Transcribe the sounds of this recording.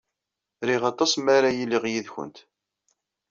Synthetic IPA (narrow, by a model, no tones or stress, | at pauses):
ɾiʁɑt̪ˤɑsmaɾajilːiʁjiðçə̰nt̪